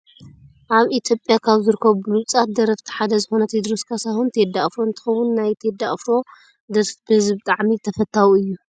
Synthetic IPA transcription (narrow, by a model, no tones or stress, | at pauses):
ʔaβit̪ʰjo̞pʼjakʰaβzɨɾɨkʰːɐβuluβt͡sʼat̪̚d̪ɐɾɐft̪ʰi̥ħad̪ɐzɨxo̞nɐt̪ʰed̪ɾoskʰasahunt̪ʰed̪aʔfɾoɨnt̪ʰɨ̥xɐwʊnːajt̪ʰed̪ːaʔfɾo̞ | d̪ɐɾfbɨhɨzbɨt̪ʼaʕmit̪ʰɐfɐt̪ʰːawɨjːu